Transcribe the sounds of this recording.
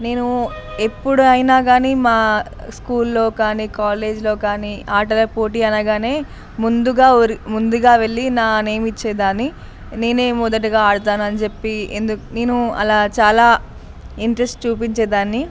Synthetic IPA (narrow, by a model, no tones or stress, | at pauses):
ne̞ːnu | e̞pːuɽuɐjnaːɡaːnimaː | skuːlːo̞ːkaːniːkaːle̞ːd͡ʒlo̞ːkaːniːaːɾʈɐlɐpo̞ːʈiːɐnaɡaːne̞ː | mund̪uɡaːoɾimund̪uɡaːʋe̞ɭːinaːne̞ːmit͡ʃːɛːd̪aːni | ne̞ːneːmud̪ɐʈ̬iɡaːaːɽut̪aːnuɐnit͡ʃe̞pːiḛnd̪uneːnuɐ̰laːt͡ʃaːlaː | iɳʈɾesʈt͡ʃuːp̬iɲt͡ʃɛːd̪aːnːi